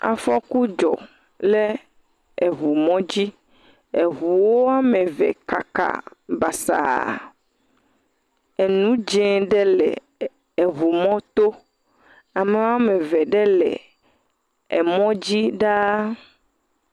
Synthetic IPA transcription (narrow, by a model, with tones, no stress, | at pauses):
a̰˨fɔ˦ku˦d͡ʒɔ̰˨ | lɛ˦ | e˨vu˨mɔ̃˦d͡ʑi˦ | e˨βu˨wo˦a˦me˨vɛ̰˨ka̰˨ka̰˨ba˨sa̰˨ | ɛ˨nũ˦d͡ʒɛ̃˦ɖɛ˦lɛ̰˨ | e˨βu˨mɔ̃˦t̪o˦ | a˨me˨˦wa˦me˨vɛ˨ɖɛ˦lɛ̰˨ | ɛ̰˨mɔ̃˦d͡ʑi˦ɖa˦